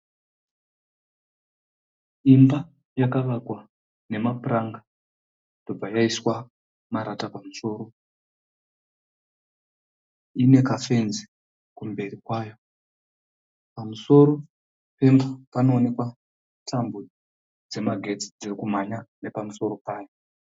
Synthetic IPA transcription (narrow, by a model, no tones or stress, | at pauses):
imba | jakaʋakwa | ne̞mapuraŋɡa | d̥o̞b͡vajaiswa | maɾatapamuso̞ːɾo̞ | ine̞kafe̞nzi | kumbe̞rikwajo̞ | pamuso̞ɾo̞ | pe̞mbapano̞ːne̞kwa | tʰambu | d͡ze̞maɡʱe̞t͡si̥d͡zirikumaɲane̞pamuso̞ɾo̞paːjo